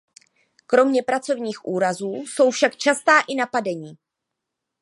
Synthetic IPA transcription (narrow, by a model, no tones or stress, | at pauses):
kɾo̞mɲɛpɾat͡so̞vɲiːxʔuːɾazuːso̞wfʃakt͡ʃast̪aːʔɪnapadɛɲiː